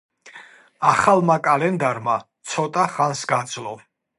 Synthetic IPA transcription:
aχalˠmakʼalɛnd̪aɾmat̪sʰɔt̪ʼaχansɡad̪zlɔ

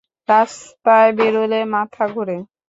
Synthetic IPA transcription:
ɾaspaebeɾolemat̪ʰaɡʱoɾe

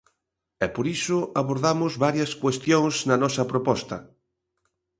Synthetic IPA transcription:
ɛpoɾisʊʔaβoɾðamʊzβaɾjɐskwest̪joŋznɐnɔsɐpɾopɔst̪ɐ

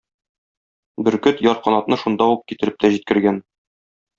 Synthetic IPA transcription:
bɘ̆ɾkɵt̪jɒɾqɒnɑp̪nɤʃund̪ɑuq̚kit̪ɘ̆ɾɘp̚t̪æʑit̪̚kɘ̆ɾɡæn

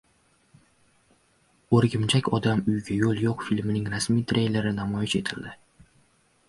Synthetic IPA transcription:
oɾɡʲɪmt͡ʃʰakʲʰɒd̪amʊjɡʲajolˠjoqfilʲmɪnɪŋɾasmijt̪ʰɾe̞jle̞ɾɪnamɒjɪʃe̞t̪ʰɪld̪ɪ

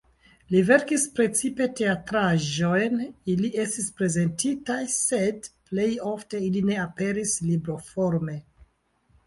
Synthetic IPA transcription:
live̞ɾkispɾe̞t͡sipe̞te̞atɾaʒo̞jnilie̞stispɾe̞ze̞ntitajse̞dple̞jo̞fte̞iline̞ape̞ɾislibɾofo̞ɾme̞

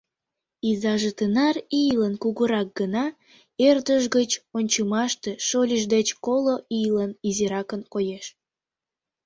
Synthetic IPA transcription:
izɑʒət̪ənɑrijlənkuɣuɾɑk̚ɡənɑ | erd̪əʒɣət͡ɕonʲt͡ɕəmɑʃt̪eʃolʲiʒd̪et͡ɕkoloijləniziɾɑkənkojeʃ

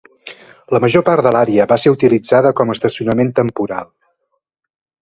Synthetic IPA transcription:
ləməʒopaɾt̪d̪əlaɾeəβaseut̪ilid͡zaðəkɔməst̪əsiunəment̪əmpuɾa̰lˠ

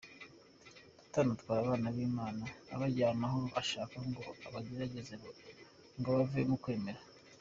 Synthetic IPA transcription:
du̥tanutkwaːɾaβaːnaβiːmaːna̰ːβaɟaːmaɦo̞aʃaːkaŋɡo̞aβaɟe̞ɾaɟe̞zeβo | ŋɡoβaviemukwe̞ːme̞ɾa

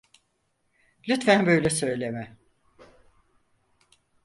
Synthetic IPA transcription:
lʲyt̪fænbøjlʲɛsø̞jlʲemɛ

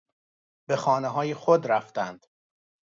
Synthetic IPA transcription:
b̥e̞xɒːneɦɒːjexod̪ɾæft̪ænd̪̥

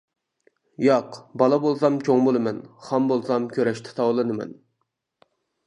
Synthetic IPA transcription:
jɑqbɑlˠɑbolˠsɑmt͡ʃʲʰoŋbolˠɨmɛnχɑmbolˠsɑmkʲʰøɾɛʃt̪ʰɪ̥t̪ʰɑwlˠɨnɨmɛ̰n

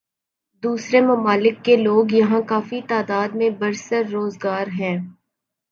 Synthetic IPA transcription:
d̪uːsɾemɐmaːlɪkːeloːɡjɐɦãkaːfit̪aːd̪aːd̪mẽbɐɾsəɾːoːzɡaːɾɦɛ̃ː

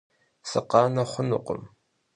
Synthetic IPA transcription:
sɨqɑːnɐχʷʊnʊ̰qʷʊ̰m

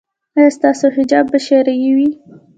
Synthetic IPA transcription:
ɑjɑst̪ɑsoɦɪd͡ʒɑbːaʃeɾajiwi

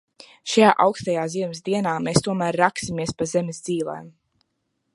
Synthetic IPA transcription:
ʃajaːʔawkst̪ajaːziɛmɪsd̪iɛnaːmeːst̪uɔmæːɾːaksimiɛspazemɛzd̪ziːlˠa̰jm

